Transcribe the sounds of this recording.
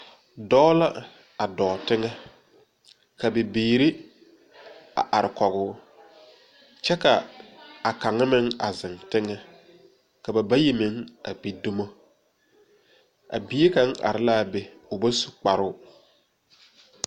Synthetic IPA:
dɔː˦la˦ | a˨dɔː˨tɪ˦ŋɛ˦ | ka˨bɪ˨biː˨ɾɪ˦ | a̰˨ʔa˨ɾɪ˨kɔ˨ɣʊ˦ | t͡ʃɛ˦ka˨a˨ka˨ŋɪ˦mɪ˦ŋa˨zɪ˨ŋtɪ˦ŋɛ˦ | ka˨ba˨ba˦ji˦mɪ˦ŋa̰˨bi˨du˦mo˦ | a̰˨bi˦e˦ka˦ŋʔa̰˨ɾɪ˦la˦˨be˨ | ʊ˨ba˦su̥˨k͡pa˨ɾʊ˦

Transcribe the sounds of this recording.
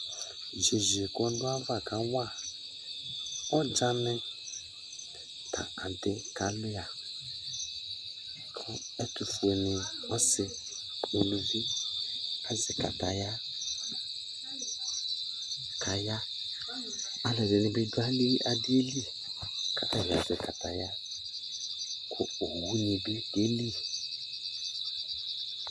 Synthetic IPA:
ʒe˨ʒi˨kɔ˦dʊ˦a˦va˨ka˨˦wa˦˨ | ɔ˦d͡ʒa˦mɛ˦ | tʰa̰˨a˨dɪ˦ka˨˦lʊ˦ja˨ | kʰʊ˦ | ɛ˦tu˨fu˨e˨ni˨ɔ˦sɪ˨ | u˨lu˨vi˦ | a˦zɪ˨ka̰˨ta˨ja˦ | kʰa˨ja˦ | a˦lɛ˨bɛ˨nɪ̃˨bɪ˦dʊ˦a˦li˦ʔa˨dɪ˦e˦li˦ | kʰa˨ʔɛ˦ɾa̰˨zɛ˨kʰa˨ta˨ja˦ | kʰʊ˦o˨wu˦nĩ˨be˦ɡe˦li˦

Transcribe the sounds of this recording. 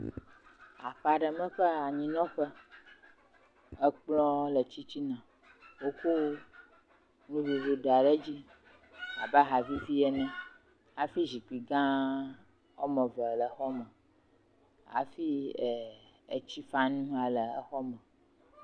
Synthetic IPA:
a˨ɸa˨ɖə˨mə̃˦ɸə˦a˨ɲĩ˨nɔ̃˦ɸə˦ | ə˦k͡plɔ̃˦lə˨t͡ɕi˦t͡ɕi˦nã˨ | wo˦ko˦ | nũ˦vu˨vu˨ɖa˨ɖə˦d͡ʑi˦ | a˨ba˦ɦa˨vi˦vi˦ɛ˦nɛ̃˦ | a˨fi˦zi˨k͡pi˨ɡã˦ | ɔ˦mə̃˨və˨lə˨xɔ˦mə̃˨ | a̰˨fi˦ɛ˨ | ə˨t͡ɕi˦fa˦nũ˦a˨lə˨ə˦xɔ˦mə̃˨

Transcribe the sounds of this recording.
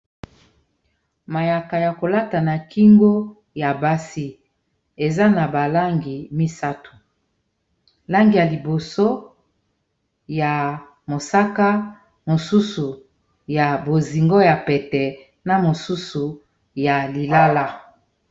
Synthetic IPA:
ma˨ja˨ka˨ja˨ko˨la˦ta˨na˨ki˦ŋɡo˦ | ja˨ba˦si˦ | e˨za˦na˨ba˨la˦ŋɡi˨mi˦sa˦tu̥˨ | la˦ŋɡi˨ja˨li˨bo˨so˦ | ja˨ | mo˨sa˦ka˦ | mo˨su˦su˨ | ja˨bo˨zi˨ŋɡo˦ja˨pɛ˨tɛ˨ | na˦mo˨su˦su˨ | ja˨li˨la˦la˦

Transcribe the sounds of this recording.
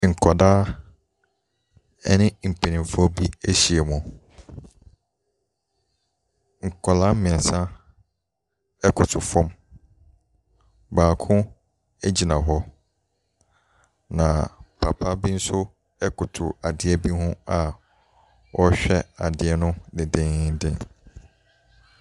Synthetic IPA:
ŋ̩˨kʰɔ˨daː˦ | ɛ˦nɪ̃˦m̩˨pʰe˨nĩ˨mfɔ˦bi˦æ˦ɕi˨e˨mʊ̃˨ | ŋ̩˨kʰɔ˨lã˦mɪ̃˨sã˦ | ɛ˦kʰʊ˨tʰʊ˨fɔ̃˦m | baː˨kʰʊ̃˦ | ɛ˦d͡ʑi˨nã˨ɦɔ˦ | nã˨pʰa˨pʰa˦bi˦n̩˦sʊ˦ | ɛ˦kʊ˨tʰʊ˨a˨dɪ˨ɛ˦bi˦hʊ̃˦a˨ | wɔ˦ɕᶣɛ˦a˨dɪ˨ɛ˦nʊ̃˦dɪ˨dɪ̃˦dɪ̰̃˦n

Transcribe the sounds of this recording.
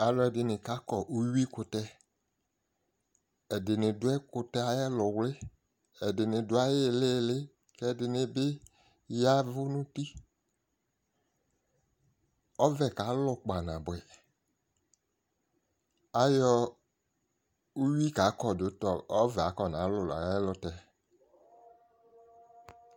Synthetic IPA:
a˨lɔ˨˦ɛ˨dɪ˨nɪ˨ka˨˦kɔ˨ʔu˦wi˦kʊ˧tɛ˦ | ɛ˨dɪ˨nɪ˨dʊ˦ɛ˦kʊ˧tɛ˦a˨jɛ˦lʊ˨wlɪ˦ | ɛ˨dɪ˨nɪ˨dʊ˦a˦je˦le˦˨lɪ˦ | kɛ˦˨dɪ˨nɪ˨bɪ˦ | ja˦vʊ˦nũ˦ti˦ | ɔ˦vɛ˨ka˨˦lʊ˨k͡pa˨nã˨bɛ˨ | a˨jɔ˦ | u˦wi˦ka˨˦kɔ˨do˨˦tɔ˨ɔ˦vɛ˨a˨˦kɔ˦˨nã˨˦lʊ˨la̰˨ɛ˦lʊ˨˦tɛ˨˦

